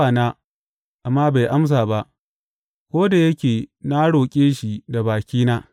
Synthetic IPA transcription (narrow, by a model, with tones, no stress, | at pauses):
a˨naː˦ | ʔa˨mːaː˦ba˨jʔa˦ms̬aː˨ba˦ʔ | kʷoː˦da˨jɐ˦kʲeː˨na˦ɽoː˨kʲʼeː˦ʃi˨da˨baː˨kʲiː˦naː˦